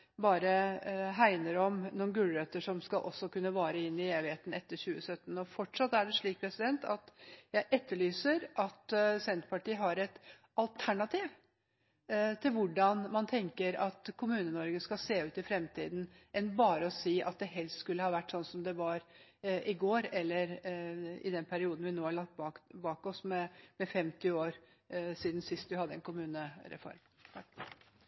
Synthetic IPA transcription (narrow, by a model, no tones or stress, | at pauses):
bɑːɾəɦæɪnəɾɔmnuːnɡʉlɾøːt̪əʂɔmskɑlʔɔ̰sːɔkʉnːəʋɑːɾəɪnːɪeːʋɪheːt̪n̩ɛt̪ːəɾçʉːəsœt̪ːn̩ɔfɔʈʂɑt̪æɖɛʂɭiːk̚pʰɾɛsɪd̪ɛnt̪ɑt̪jæɪʔɛt̪ʰːəɭyːsəɾʔɑt̪sɛnt̪pʰɑʈiːɦɑɾɛt̪ | ɑlt̪ʰæɳɑt̪ʰiːʋ | t̪ʰɪlʋʊɖɑnmɑnt̪ʰɛŋkəɾɑt̪kʰʊmʉːnənɔɾɡəskɑseːʉːt̪ɪfɾɛmt̪ʰḭːd̪n̩ʔɛnbɑːɾəɔsiːʔɑ̰t̪̚d̪ɛɦɛlst̪skʉlːəhɑːʋæʈːsɔnːsɔmd̪ɛʋɑɾʔɪɡoːɾɛlːəɾ | ɪ̰d̪ɛnpʰæɾɪuːd̪n̩ʋɪnoːhɑɭɑk̚t̪bɑbɑːkɔsmɛmɛfɛmt̪ɪoːɾ | siːd̪nsɪst̪ʋɪhɑd̪ːəɛnkʰʊmʉːnəɾɛ̰fɔ̰ɾmʰ